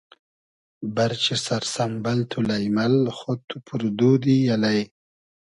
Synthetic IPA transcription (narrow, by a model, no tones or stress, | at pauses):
baɾt͡ʃesaɾsambalt̪ʰulajmalxot̪upʰuɾd̪ud̪ijalaj